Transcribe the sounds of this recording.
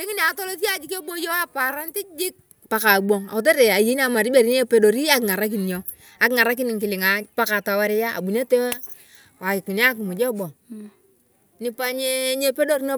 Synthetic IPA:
li˦ŋi˦ni˨a˨to˦lo˦s̬i˦a˨d͡ʒi˦ke˦bo˦jo˦a˦pa˨ɾa˦n˦ti˦d͡ʒi˦k̚ | pa˨ka˨ɡ͡bo˨ŋa̰˨u˨t̬e˦ɾe˨a˨je˨˦n˦a˨ma˨ɾi˦be˨ɾi˦ɲe˦pe˦do˨ɾi˦a˦kŋa˨ɾa˦k̬i˨n˨jo˨ | a˨kŋa˨ɾa˦k̬i˦ni˨ŋki˨lɪ˨ŋa˨pa˦ka˨ta˨wa˦ɾi˦ja˦a̰˨bu˨ne˦to˦ | wa˨i˨ki˨n˦a˦k̬i˨mu˨d͡ʒɔ˦bɔ˨ŋ | ni˦pa˦ɲe˦ɲe˦pe˦do˦ɾno˦

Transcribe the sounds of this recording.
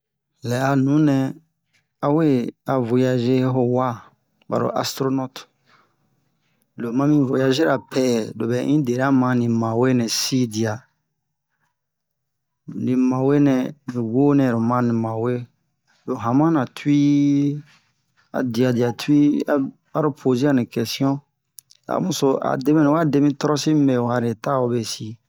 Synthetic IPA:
lɛ˨a˨nũ˨˦nɛ̃˧ | a˦we˦a˨vo˨ja˧ʒe˦ɦo˦wa˦ | ba̰˨ɾo̰˨ʔa̰˨stɾo˦nɔ˦t | lo˨mã˦mĩ˦vo˨ja˧ze˦ɾa˨pʰɛ˦˨lo˨bɛ˨˦ʔĩ˦de˨ɾa˦mã˨˦nĩ˨mã˨we˦nɛ̃˨si˦di˨a˨ | nĩ˨mã˨we˦nɛ̃˨nĩ˨wo˦nɛ̃˨ɾo˨mã˦nĩ˨mã˨we˦ | lo˨ɦã˨mã˦nã˨tʰu˦i˦ | a̰˨di˨a˨di˨a˨tʰu˦i˦a˨ | a˦ɾo˦pʰo˨zi˦a˦˨nĩ˨kɛ˨si˦ɔ̃˦ | a̰˨mũ˨so˦a̰˨de˦mɛ̃˨nũ˨˦a˦de˧˦mĩ˦tɔ˦ɾɔ˦si˦mĩ˦mɛ˨wa˨ɾe˨ta˦o˧˦be˨si˨

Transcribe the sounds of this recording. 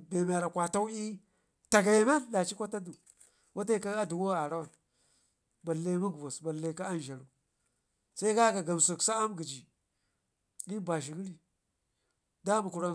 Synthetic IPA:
be˨m˨a˨ɾa˨kʷa˨ta˦u˦i˦ | ta˨ɡa˨ja˨ma˦n˦la˨t͡ʃi˦kʷa˦ta˦du˨ | wʔa˦t̬a˦i˦ka˦a˦du˨ɡo˦a˨ɾa˦wa˨n | ba˨le˦mu˦ɡu˨vo˨sba˨le˨˦ka˦a˦n˨ʒa˨ɾu˨ | sa˦i˦ka˦ka˨ɡa˨m˨su˨ksa˦a˦mɡi˨d͡ʒi˨ | di˦ba˨ʃi˨ɡi˦ɾi˨ | da˦mu˨ku˨ɾa˦

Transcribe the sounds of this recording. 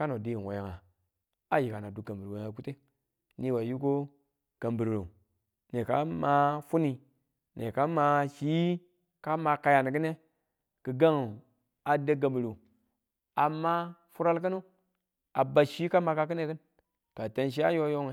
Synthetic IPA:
ka˦no˨di˦˨wo̰˨ja˨ŋa˨ | a˦ji˨ka˨na˨du˨ɡa˨mbə˨ɾwe˨˦ŋa˨ku˦te˦ | ni˦wa˨ju˦ko˦ | ka˨mbi˨ɾɾo̰˨ | ne˨ka̰˦ma˦fu˦ni˨ | ne˨ka˦ma˨ʃi˦ | ka˦ma˨ka˨ja˨n˨ɡɨ˦ne˦ | kə˨ɡa˦ŋ˨ | a˨da˦ɡa˨mbi˨ɾo˨ | a˨mːa˦fu˦ɾa˦lk̬ə˦no˦ | a˨ba˨ʃi˦ka˦ma˨ka˦k̬ɨ˦ne˦kɨ˦n | ka˨te˨nʃ̬i˦a˦jo˦jo˦ŋ˨

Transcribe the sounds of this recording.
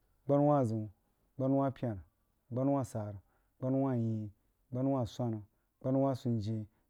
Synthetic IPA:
ɡ͡ba˦n˦wa˦˨zu˨ | ɡ͡ba˦n˦wa˦pʲi˦a˨n˨ | ɡ͡ba˦n˦wa˦˨sa˨ɾ | ɡ͡ba˦n˦wa˦˨ji˨ | ɡ͡ba˦n˦wa˦˨sʷa˦nu˨ | ɡ͡ba˦n˦wa˦su˨nd͡ʒe˨

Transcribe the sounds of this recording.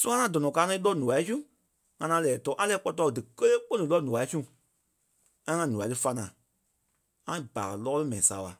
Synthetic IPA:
sũ˦ã˦ã˧˦˨dɔ˨nɔ̃˨kaː˨˦nɔ̃˧i˦lɔ˦nũ˨a˨˦i˦sũ˦ | ŋã˧nã˧lɛː˨tɔː˨˦ʔã˦lɛː˧˦k͡pɔ˧tɔ˧˨dɨ˨kə˦leː˦k͡po˦nĩ˨˦lɔ˦nũ˨a˨i˦sũ˦˨ | ŋã˦ŋã˧nũ˨a˨˦tɨ˧fa˧nãː˨ | ŋã˦˨ba̰ː˨lɔː˦lɨ˦mɛ̃˨nĩ˨saː˨˦ɓa˨

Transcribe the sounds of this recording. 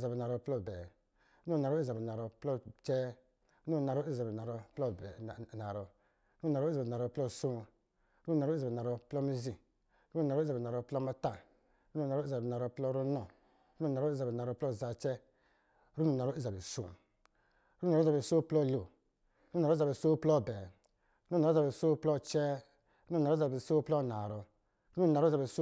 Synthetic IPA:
za˨bi˨na˨ɾɔ˧plɔ˦˨bɛ˨ | ɾu˦nɔ˦˨na˨ɾɔ˦i˦za˨bi˨na˨ɾɔ˧plɔ˦t͡ʃɛ˦ | ɾu˦n˦˨na˨ɾɔ˦i˦za˨bi˨na˨ɾɔ˧pɔ˦˨na˨ɾɔ˧ | ɾu˦u˦˨na˨ɾɔ˦i˦za˨na˨ɾɔ˧plɔ˦˨so˦ | ɾu˦u˨na˨ɾza˨bna˨ɾɔ˧plɔ˦mi˦zi˨˦ | ɾu˦u˨na˨ɾɔ˦za˨bn˨a˨ɾɔ˧plɔ˦ma˦ta˦˨ | ɾu˦nu˨n˨a˨ɾɔ˦i˦za˨bi˨a˨ɾɔ˧plɔ˦ɾu˦nɔ˨ | ɾu˦nu˧˨na˨ɾɔ˦i˦za˨bi˨a˨ɾɔ˧˨plɔ˦˨za˧t͡ʃɛ˦ | ɾu˦nu˨na˨ɾɔ˦i˦za˨bi˨so̰˦˨ | ɾu˦˨˦za˨i˨so˦plɔ˦˨lo˨ | ɾu˦˨a˨ɾza˨i˨so˦plɔ˦˨bɛ˨ | ɾu˦˧˨a˨˦za˨bi˨so˦plɔ˦˨t͡ʃɛ˦ | ɾu˦˧˨ɾza˨i˨so˦plɔ˦˨na˨ɾɔ˨ | ɾu˦n˦u˧˨na˨ɾza˨bi˨s

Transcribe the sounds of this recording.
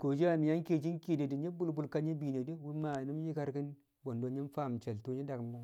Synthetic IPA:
ko˨d͡ʒi˦a˦˨mi˨ja˦ŋke˦˨d͡ʒi˦nki˦˨de˨di˨ɲi˦bu˦lbu˦˨lka˦ɲi˦bi˨ne˨di˦wu˦ma˨ni˦m˦ji˦ka˦ɾki˦n | bo˨ndo˨ɲi˦n˦fa˦˨m˨t͡ʃe˨ltu˦ɲi˦da˨kmː˦u˦

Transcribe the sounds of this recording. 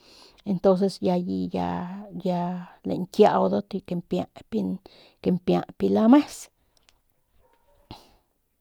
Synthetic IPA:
e˧nt̪o˦ns̬e˧sja˧ji˧ja̰˧ja˧lḛ˨ŋkja̰˧wd̪o˦t̪i˧ke˧mpja̰˧˨pi˦n | ke˧mpja̰˧pi˧la˦me˦s

